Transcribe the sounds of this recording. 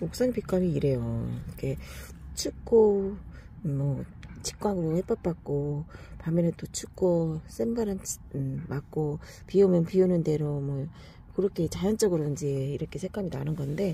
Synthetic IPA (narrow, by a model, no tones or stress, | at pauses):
mok̚s͈ʌŋipik͈ʰamiːɾe̞joɾʌkʰe̞ | t͡ɕʰuk͈o | mʌt͡ɕʰi̥k͈waŋɯɾohep͈ʌp̚p͈ak̚k͈opamjʌnet͈ot͡ɕʰuk͈os͈emɡaɾɯnmak̚k͈o | piumjʌnpiunɯnde̞ɾomwʌ | kɯɾʌkʰe̞t͡ɕajʌnt͡ɕ͈ʌɡɯɾoind͡ʑe̞iɾʌkʰe̞sʰek͈ʰaminanɯnɡʌnde̞